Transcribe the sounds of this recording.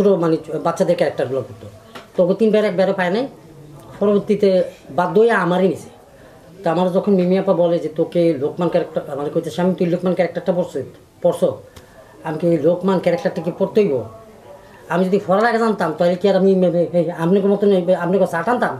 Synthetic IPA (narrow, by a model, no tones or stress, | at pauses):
ʃʰuʈomanebatːʃʰad̪eɾkɛɾak̚ʈaɾɡulakoɾt̪o | t̪oket̪inbɛɾebɛɾopajnaj | pɔɾoboɾt̪it̪ebad̪ːojaamaɾejnisʰe̥ | t̪oamaɾd͡ʑɔkʰonmemiapabɔled͡ʑet̪okelokmankɛɾek̚ʈaɾmanekojt̪eʃamit̪ujlokmankɛɾek̚ʈaɾʈapoɾs | pɔɾso | amikejlokmankɛɾek̚ʈaɾʈakekoɾt̪eɦojbo̰ | amid͡ʑod̪ifʰɔɾalaɡed͡ʑant̪amt̪aɦjlekiaɾamimeneamnekomɔt̪oneamnekosaʈant̪am